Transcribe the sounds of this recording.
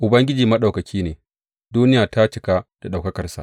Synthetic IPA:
ʔʊ˨bɐ˦ŋɡʲɪ˦d͡ʒiː˨mɐ˦ɗa˨kɐ˨kʲʰiː˦neː˨ | duː˦nɪ˦jaː˨ta˦t͡ʃɪ˨ka˦d̥a˨ɗa˨wkɐ˦kɐ˨rsa̰˨ʔ

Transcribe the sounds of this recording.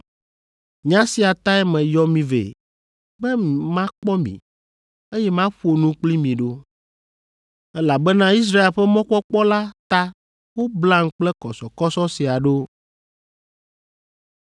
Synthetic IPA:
ɲã˦si˨a˨t̪a˦ɛ˦mɛ̃˨jɔ˦mĩ˨vḛ˨ | bɛ˦mi˨mã˦k͡pɔ˦mḭ̃˨ | e˦jɛ˦mã˦ɸu˦o˨nũ˦k͡pli˦mĩ˨ɖo˦ | ɛ˦la˨bɛ˦nã˦i˦s̬ɾa˦e˨lɸɛ˦mɔ̃˦kɔ˦k͡pɔ˦la˦t̪a˦ | wo˦blã˦ŋ̩˦k͡plɛ˦kɔ˨sɔ˨kɔ˦sɔ˦si˨a˨ɖo˦

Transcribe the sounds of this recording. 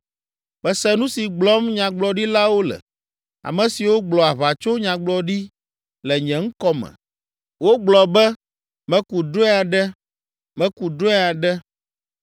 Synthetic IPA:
bɛ˨sɛ˦nũ˦si˨ɡ͡blɔ˦mɲã˨ɡ͡blɔ˨ɖi˦la˦wo˦lɛ̰˨ | a̰˨mɛ̃˨si˨wo˦ɡ͡blɔ˨a˨βa˨t͡ʃo˦ɲã˨ɡ͡blɔ˨ɖi˦ | lɛ˨ɲɛ̃˨ŋ̩˦kɔ˦mɛ̰̃˨ | wo˦ɡ͡blɔ˨bɛ˦ | mɛ̃˦ku˨do˦ɛ˦a˨ɖɛ˦ | mɛ̃˦ku˨d̪o˦ɛ˦a˨ɖɛ˦

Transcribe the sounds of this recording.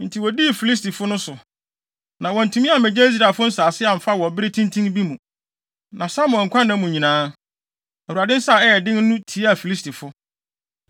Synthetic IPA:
n̩˨tʰi˨wɔ˨di˦˨fi˨li˦sti˨fʊ˦nʊ̃˦sʊ˨ | nã˨wɔ˨n̩˨tʰũ˨mĩ˦a˨mɛ̃˨d͡ʑɛ˦i˦s̬ɾa˨fʊ˦n̩˦saː˨sɪ˦a˨m̩˨fa˦wɔ˨bɪ˦ɾɪ˦tʰĩ˦ntʰĩ˦ŋbi˦mũ˨ | nã˨sa˦mʊ̃˨ɔ̃˨ŋ̩˨kʰʷã˦nːã˦mũ˨ɲĩ˨nãː˦ | ɛ˨wu˨a˨dɪ̃˦n̩˦sa˦˨ɛ˦jɛ˨dɪ̃˦nː˦ũ˦tʰi˨˦a˨fi˨li˦stʰi˨fʊ˦

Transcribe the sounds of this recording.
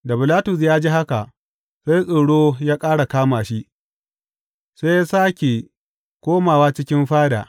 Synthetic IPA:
da˨bɪ˨laː˦tʊ˨s̬jaː˦d͡ʒi˦ɦa˦ka˨ | sa˦jsʼo˨ɽoː˦jaː˦kʼaː˦ɽa˨kaː˦maː˨ʃi˦ʔ | sa˦jaː˦saː˦kʲe˨ | kʷoː˦maː˨waː˦t͡ʃɪ˦kʲɪ˦mɸaː˦da̰˨

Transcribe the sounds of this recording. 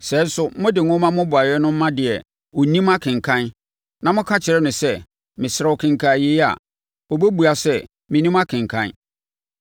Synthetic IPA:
sɛ˨˦n̩˦sʊ˦mʊ̃˦dɪ˨ŋʊ̃˦mã˦mʊ̃˦bʊ˨a˨jɛ˦nʊ̃˦m̩ː˦ã˦dɪ˨ɛ˨ | o˨˦nĩ˦ma˦kʰɪ̃˨ŋ˨kʰã˦n | nã˨mʊ̃˦kʰã˦t͡ɕʰɪ˨ɾɛ˦nʊ̃˨sɛ˦ | mɪ̃˨sɪ˨ɾɛ˨˦ɔ˨kʰɪ̃˨ŋ˨kʰa˨je˦a̰˨ | o˨bɛ˦bu˨a˨sɛ˦ | mɪ̃˨nĩ˦ma˦kʰɪ̃˨ŋ˨kʰã̰˦n

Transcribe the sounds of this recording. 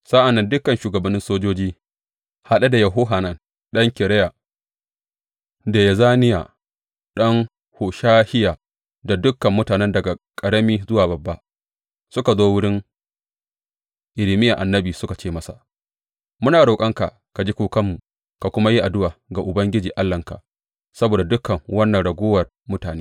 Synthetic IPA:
sa˦ʔa˨nːɐ˦ndʊ˦kːɐ˨nʃuː˨ɡɐ˨bɐ˨nːɪ˦nsoː˦d͡ʒoː˦d͡ʒiː˦ | ha˦˨ɗɐ˦da˨jɐ˨ɦʊ˦ɦa˨nɐ˦˨n | ɗɐ˦ŋkʲɪ˨ɽɐ˦ja˨ | da˨ja˨zaː˦nɪ˦ja̰ː˨ | ɗɐ˦ŋ | hoː˨ʃaː˦hɪ˦jaː˨ | da˨dʊ˦kːɐ˨mːʊ˦taː˨nɛ˦ndɐ˨ɡa˨kʼɐ˨ɽɐ˦miː˦zʊ˦waː˨bɐ˨bːa˦ | sʊ˦ka˨zoː˦wʊ˦ɽɪ˦ŋ | ʔɪ˨lɪ˨mɪ˦ja˨ʔa˨nːɐ˦biː˨sʊ˦ka˨t͡ʃeː˦mɐ˦sa̰˨ | mʊ˦naː˨ɽoː˨kʼɐ˦ŋka̰˨ | ka˨d͡ʒi˦kʷuː˨kɐ˦mːu˨ | ka˨kʷʊ˦ma˦ji˦ʔa˨dʊ˦waː˨ɡa˨ʔʊ˨bɐ˦ŋɡʲɪ˦d͡ʒiː˨ʔa˦lːɐ˨ŋka̰˨ʔ | sɐ˦boː˨da˨dʊ˦kːɐ˨ŋwɐ˦nːɐ˨nɽɐ˨ɡʷoː˦wɐ˨r | mʊ˦taː˨neː˦

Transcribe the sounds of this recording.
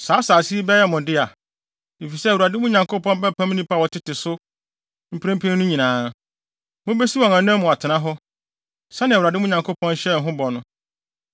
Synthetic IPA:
saː˨˦saː˨si˦i˦bɛ˦jɛ˦mʊ̃˨dɪ˦a˨ | e˨fi˨sɛ˦˨wu˨a˨dɪ˦mʊ̃˦ɲã˨ŋkʰo˦pʰɔ̃˦nbɛ˦pʰã˦m̃˦nĩ˦mpʰa˦wɔ˨tʰɪ˦tɪ˨sʊ˦ | m̩˦pʰɾẽ˦pʰĩ˦nʊ̃˦ɲĩ˨nãː˨˦ | mʊ̃˦be˦si˦wɔ̃˨ŋã˨n˦ɛ̃˦mːʊ̃˨a˨tʰɪ˨nã˦ɦɔ˦ | sa˦nɪ̃˨wa˨dɪ˦mʊ̃˦ɲã˨ŋkʰo˦pʰɔ̃˦n˦ɕɛ˦˨ɦʊ̃˦bɔ˨nʊ̃˦

